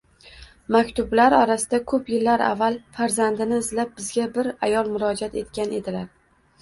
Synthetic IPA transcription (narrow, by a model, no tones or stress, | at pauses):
makʲt̪ʰʊblaɾɒɾasɪd̪akʰɵpjɪlːaɾa̰vːalˠfaɾzand̪ɪnɪːzlap̚bɪzɡʲabɪɾa̰jɒlˠmʊɾɒd͡ʒat̪e̞t̪kʲane̞d̪ɪlaɾ